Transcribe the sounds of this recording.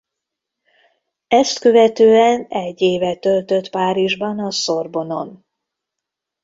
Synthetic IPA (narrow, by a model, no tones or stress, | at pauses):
ɛst̪kø̞vɛt̪øːɛnɛɟːeːvɛt̪ø̞lt̪ø̞t̪paːɾiʒbɒnɒso̞rbo̞no̞n